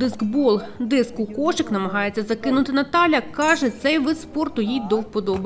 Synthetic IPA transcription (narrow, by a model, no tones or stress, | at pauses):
d̪ɪskbɔlˠd̪ɪskʊkɔʃɪknɐmɐɦɑjet͡sʲːɐzɐkɪnʊt̪ɪnɐt̪ɑlʲɐkɑʒɛt̪sɛjʋɪspɔrt̪ʊjijd̪ɔwpɔd̪ɔbɐ